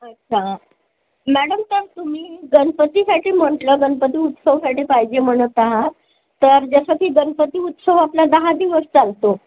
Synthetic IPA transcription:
ətːɕʰa | mæɽəmt̪əɾt̪um̤iːɡənpət̪iːsaʈiːm̤əɳʈləɡənpət̪iːut̪səʋsaʈipajd͡ʑem̤əɽ̃ət̪aɦa | t̪əɾd͡zəsət̪ʰiːɡənpət̪iːut̪səʋaplad̪əɦad̪iʋəst͡salt̪o

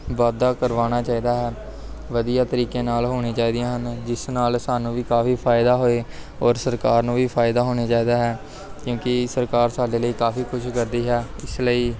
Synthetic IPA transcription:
ʋaːd̪aːkəɾʋaːɽ̃aːt͡ʃaːiːd̪aːɦɛː | ʋəd̪ijaːt̪əɾiːkeːnaːlɦoːɽ̃eːt͡ʃaːiːd̪ijãːɦənd͡ʒɪsnaːlsaːnũːʋiːkaːfʰiːpʰaːɪd̪aːɦoːeː | ɔːɾsəɾkaːɾnũːʋiːpʰaːɪd̪aːɦoːɽ̃eːt͡ʃaːiːd̪aːɦɛː | kjõːkɪsəɾkaːɾsaːɖeːləiːkaːfiːkʰʊʃkəɾd̪iːɦɛːɪsləiː

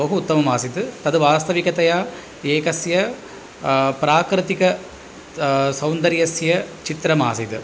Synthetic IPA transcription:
bɐɦuːt̪ːɐmɐmaːsiðɯt̪ɐðɯʋaːst̪ɐʋikɐt̪ɐjaː | eːkɐsjɐ | pɪɾaːkɾɨt̪ɪkɐ | sɐʊnd̪ɐɾjɐsjɐt͡ʃɪt̪ɾɐmaːsit̪ɯ

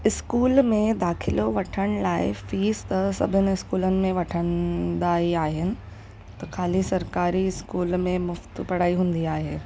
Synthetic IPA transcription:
ɪskuːlmẽd̪aːkʰɪloʋɐʈʰəɽ̃̆laːɪ̰fiːst̪ɐsɐ̰bʱɪnɪɪskuːlənɪ̆mẽʋɐʈʰə̃nd̪aːiaːɦɪnɪ̆ | t̪ɐkʰaːlisɐɾkaːɾiɪskuːlmẽmʊft̪pɐɽ̤aːiɦũːn̆d̪iaːɦeː

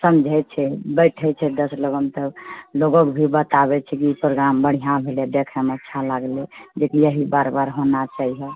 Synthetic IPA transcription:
səmd͡ʒʱɛt͡ʃʰɛbəɪʈʰɛt͡ʃʰɛd̪əsloɡəmt̪əloɡokbʱibət̪abɛt͡ʃʰɛkiipɾoɡɾambəɽ̤ijãbʱeled̪ekʰəmətːʃʰalaɡled͡ʒekijəɦibaɾbaɾɦonat͡ʃaɦiɦɛ

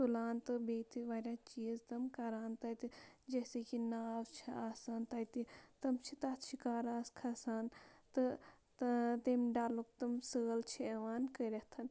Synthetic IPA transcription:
t̪ulaːnt̪ɨbet̪iʋɐɾʲat͡ʃiːzt̪ɐmkɐɾaːnt̪ɐt̪id͡ʒesekinaːwt͡ʃʰiaːsant̪ɐt̪it̪ɐmt͡ʃʰit̪at̪t͡ʃʰikaːɾaːskʰɐsaːnt̪ɨ | t̪emɖaːlukt̪ɐmsəːlt͡ʃʰieʋaːnkəɾɐht̪ʰɐn

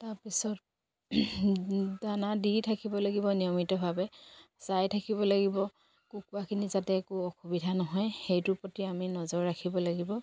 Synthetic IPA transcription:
taɹpisɔt̚ | danadiɹtʰakibɔlaɡibɔnijɔmitɔbʱabɛsajtʰakibɔlaɡibɔ | kukʊakʰinizatɛːkuɔxubidʱanɔɦɔjxejtʊpɔtiaminɔzɔɹːakʰibɔlaɡibɔ

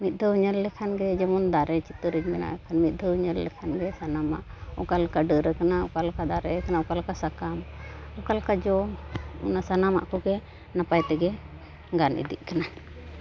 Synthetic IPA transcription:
mit̪̚ˀd̪ʱəɲəllɛkʰanɡɛd͡ʒɛmɔnd̪aɾɛt͡ʃit̪əɾid͡ʒmɛna̰ʔɛkʰanmit̪̚ˀd̪ʱəɲəllɛ̰kʰanɡɛsanama̰ʔɔkalkaɖəɾəkanaṵkalkad̪aɾɛkanaɔkalkasakamɔkalkad͡ʒɔɔnasanama̰ʔkɔɡɛ | napajt̪ɛɡɛ | ɡanʔḭd̪iʔkana

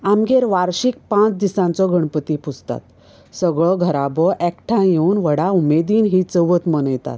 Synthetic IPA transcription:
amɡeɾʋaɾɕik̚pãt͡sd̪isãnt͡sɔɡʱəɳpət̪ipʰut͡st̪a̰t̪ | səɡɭɔɡʱəɾabɔʔɛkʈʰãjeunʋəɽaumed̪iːnɦit͡səʋət̪mənəjt̪a̰t̪

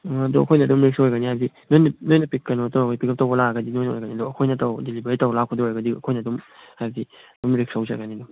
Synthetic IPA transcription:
ɐdɔɐkʰojnɐːdumɾik̚saojɡanihajbdi | nojnɐnojnɐpikːɐnotawaɡipikʰɐp̚tawbɔlaɡɐdinojnɐo̰jɡanidɔɐkʰojnɐtawdelibaɾitawlakʰɔdɔojɡɐdiɐ̰kʰojnɐːdumhajbdiɐdumɾik̚sawzaɡanidɔ

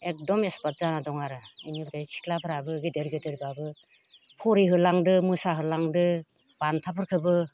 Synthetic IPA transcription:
ek̚dɔmespat̚zanadɔŋaɾainibdajsʰi̥kʰlapʰɯɾabɯɡedeɾɡedeɾbabɯ | pʰɔɾiɦɯlaŋdɯmɯsaɦɯlaŋdɯ | b̥antʰapʰɯɾkʰɯbɯ

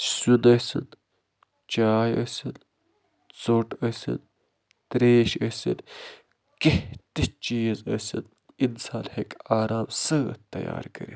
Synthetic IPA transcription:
sunɐsɨn | t͡ʃaːjɐsɨn | t͡soʈɐsɨ̰n | t̪ɾeːʃɐsɨ̰n | keht̪it͡ʃiːzɐsɨn | insaːlhekaːɾaːmsɐt̪ːɐ̰ja̰ːɾkɐ̰ɾḭ

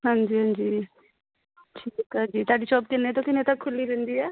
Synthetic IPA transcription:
ɦãːɲd͡ʒiːɦãːɲd͡ʒiː | ʈʰiːkãːd͡ʒiːt̪aːɖit͡ʃɔːp̚k̪ɪnːet̪õkɪnẽt̪əkʰːʊlːiɾɛ̃ːnd̪iːɛː

